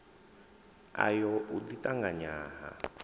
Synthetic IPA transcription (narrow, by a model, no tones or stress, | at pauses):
a̰jɔʔud̪itʼaŋɡaɲaːɦa̰